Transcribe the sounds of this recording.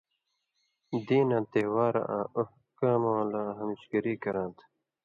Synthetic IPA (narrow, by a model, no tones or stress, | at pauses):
d̪iːnãːt̪ewaːɾa̰ʔãːoh | kaːmoːlãːɦɐmiɕɡɐɾiːkɐɾãːt̪ʰ